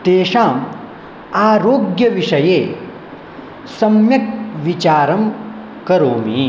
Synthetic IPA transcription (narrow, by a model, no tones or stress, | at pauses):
t̪eːʃaːm | aːɾoːɡjɐʋiʂɐjeː | sɐmjɐkʋit͡ʃaːɾɐm | kɐɾoːmiː